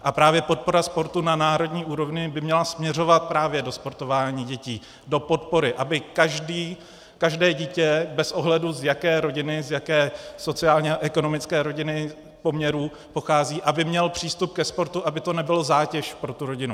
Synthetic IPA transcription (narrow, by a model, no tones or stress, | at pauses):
ʔapɾaːvjɛpo̞t̪̚po̞ɾaspo̞ɾt̪unanaːɾo̞dɲiːʔuːɾo̞vɲɪbɪmɲɛlasmɲɛro̞vat̪̚pɾaːvjɛdo̞spo̞ɾt̪o̞vaːɲiːɟɛciː | do̞po̞t̪po̞ɾɪʔabɪkaʒdiː | kaʒdɛːɟiːcɛbɛsʔo̞ɦlɛduzjakɛːɾo̞ɟɪnɪzjakɛːso̞t͡sɪaːlɲɛaʔɛko̞no̞mɪt͡skɛːɾo̞ɟɪnɪ | po̞mɲɛɾuː | po̞xaːziːʔabɪmɲɛlpr̝̥iːst̪up̚kɛspo̞ɾt̪uʔabɪt̪o̞nɛbɪlozaːcɛʃpɾo̞t̪uɾo̞ɟɪnu